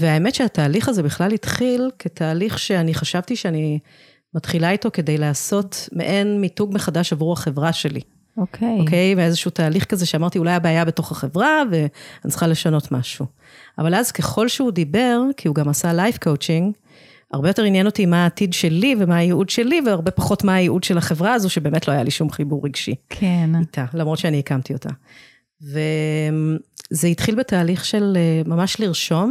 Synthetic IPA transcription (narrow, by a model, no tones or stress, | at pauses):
veaeme̞tʃeataːliχazebiχlalhit̪χilketʰaːliχʃe̞aniχaʃavtiʃeani | matχilaito̞ke̞de̞jlaːso̞tmḛʔe̞nmituɡme̞χadaʃavʁuhaχe̞vʁaʃe̞lḭ | okʰeoke̞jmeezeʃuutaːliχkaze̞ʃeamaʁtiulajabeajabe̞to̞χaχe̞vʁave̞anitt͡sχale̞ʃano̞tma̰ʃu | a̰valazke̞χo̞lʃeudibe̞ʁkʰiuɡamasalajfkʰo̞wt͡ʃiŋɡ | a̰ʁbejo̞te̞ʁinjeno̞timaːtidʃe̞livemaːjeudʃe̞liveaʁbe̞paχo̞tmaːjeʔudʃe̞laχe̞vʁaazoʃebe̞ːmetlo̞ajaliʃumχibuʁːiɡʃikʰenit̪ʰalamʁodt͡ʃeaniekamtio̞tʰa̰ | vemzeitχilbe̞taːliχʃe̞lmamaʃliʁʃo̞m